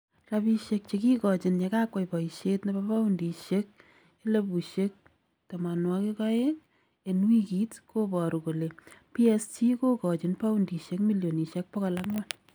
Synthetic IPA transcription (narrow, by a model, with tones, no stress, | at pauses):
rapi˧ʃe˧k̚t͡ʃeki˦kɔ˨t͡ʃɪ˨nɲe˨ka˦kwa˨jpɔ˨i˨ʃetnebapa˦undi˨ʃek̚ | e˦le˦bu˨ʃek̚ | tama˨nwɔki˦kɔ˦e˦ŋ | e˨nwi˦ki˦tko˦pɔɾu˨ko˨le˨pi˦ɛsti˦ko˦kɔ˨t͡ʃɪ˨npa˦u˦ndi˨ʃe˦kmi˦ljo˨ni˨ʃe˦k̚pɔ˦kala˦kŋwan